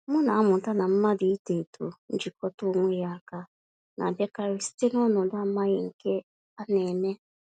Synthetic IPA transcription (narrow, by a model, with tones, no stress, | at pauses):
mʊ˦na˨a˦mʊ˨ta˦na˨m̩˦ma˦dɪ˨i˦te˨tṵ˨n̩˦d͡ʒi˨kɔ˦tʊ˦ŋʷe˦ja˦˨ka˦ | na̰˨de˦ka˨ɾɪ˦ste˦nɔ˦nʊ˨da˦ma˦ɣɪ˨ŋ̩˨ke˦ | a˦ne˨me˦